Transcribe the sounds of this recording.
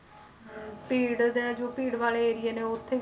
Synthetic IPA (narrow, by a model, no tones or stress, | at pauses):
piːɽd̪ɛ̃ːd͡ʒoːpiːɽʋaːleːeːɾɪjeːneːʊt̪ʰːeː